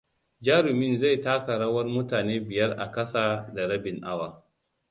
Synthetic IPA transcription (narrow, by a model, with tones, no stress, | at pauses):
d͡ʒaː˦ɾʊ˨mɪ˦nza˦˨jtaː˦kɐ˨ɽɐ˦wɐ˦rmʊ˦taː˨neː˦bɪ˨jɐ˦rʔa̰˨kɐ˦saː˨da˨ɽɐ˦bɪ˨ŋʔa˦waː˨